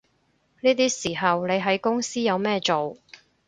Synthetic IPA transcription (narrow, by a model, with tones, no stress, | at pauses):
niː˥t̪iː˥siː˨˩ɦɐ˨wle˨˧jɦɐ˨˥jkʊ˥ŋsiː˥jɐ˨˧wmɛː˥t͡ʃo˨w